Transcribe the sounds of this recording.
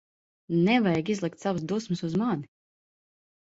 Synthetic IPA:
nɛvajɡizlˠik̚t̪savs̬d̪usmɨsuzmani

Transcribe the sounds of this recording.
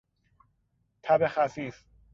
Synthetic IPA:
t̪ʰæbexæfiːf

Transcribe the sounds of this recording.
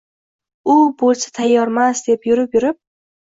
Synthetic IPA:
ʊbolˠsḁt̪ʰajːɒɾmasd̪̥epjʊɾɪpjʊɾɪp̚

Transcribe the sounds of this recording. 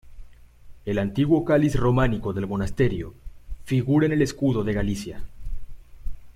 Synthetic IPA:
e̞lant̪iɣwo̞kalisro̞maniko̞ðe̞lmo̞nast̪e̞ɾjo̰fiɣuɾaene̞leskuðo̞ðe̞ɣalisja

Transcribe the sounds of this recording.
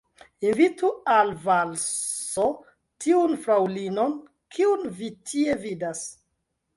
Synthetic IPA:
invitualvalso | tʰiunfɾawlino̞n | kʰiunvitʰie̞vidas

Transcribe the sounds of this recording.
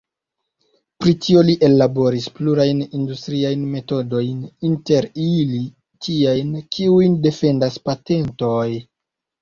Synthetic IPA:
pɾitio̞liʔe̞lːabo̞ɾispluɾajnindustɾiajnme̞to̞do̞jninte̞ɾili | tʰiajnkʰiujnde̞fe̞ndaspate̞nto̞j

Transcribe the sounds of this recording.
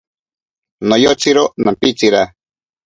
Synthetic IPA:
nojot͡siɾonãmpit͡siɾa

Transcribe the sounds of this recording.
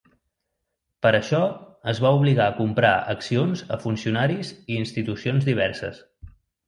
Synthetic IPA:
pəɾəʃɔəzβauβ̞liɣaəkumpɾa̰əksionzə̰funsiunaɾiziːnst̪it̪usionzðiβɛɾsə̰s

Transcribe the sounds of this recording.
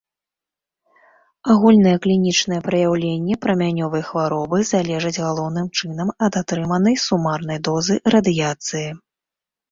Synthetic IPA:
aɣulʲn̪ɐjɛklʲinʲit͡ʂnɐjɛpɾɐjawlʲenʲːɛpɾɐmʲanʲɔvɐjxvaɾɔbɨzalʲɛʐɐd͡zʲɣalˠɔwnɨmt͡ʂɨn̪ɐmɐd̪at̪ɾɨmɐnɐjsumarn̪ɐjd̪ɔzɨrɐd̪ɨjat̪sɨji

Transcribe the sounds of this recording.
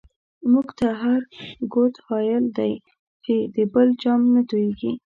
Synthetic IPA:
muɡt̪aɦaɾɡot̪hɑjəld̪aj | t͡ʃed̪əbəld͡ʒɑmnat̪ojeɡi

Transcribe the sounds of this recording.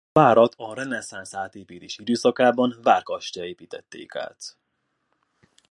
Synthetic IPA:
vaːɾɒt̪ʰɒɾɛnɛsaːnsaːt̪eːpiːt̪eːʃid̪øːsɒkaːbɒnvaːrkɒʃt̪ɒeːpiːt̪ɛt̪ːḛːka̰ːt̪

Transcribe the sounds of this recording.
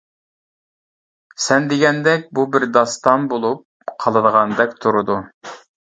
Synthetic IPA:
sɛnd̪eɡʲɛnd̪ɛk̚ʲbubɪɾd̪ɑst̪ɑnbolˠup̚ | qʰɑlˠɨd̪əʁɑnd̪ɛk̚ʲt̪ʰuɾud̪u

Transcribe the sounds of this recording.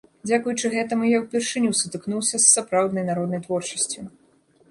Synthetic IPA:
d͡zʲakujut͡ʂɨɣɛt̪ɐmujawpʲɛrʂɨnʲusut̪ɨknuwsʲɐsːapɾawd̪nɐjnaɾɔd̪nɐjt̪vɔrt͡ʂɐ̥sʲt͡sʲu

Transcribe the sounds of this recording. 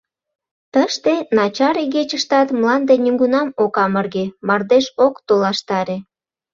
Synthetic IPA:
t̪əʃt̪enɑt͡ɕɑɾeɣet͡ɕəʃt̪ɑt̪mlɑnd̪enʲyŋɡunɑmokɑmərɣemɑrd̪eʃokt̪olɑʃt̪ɑɾe

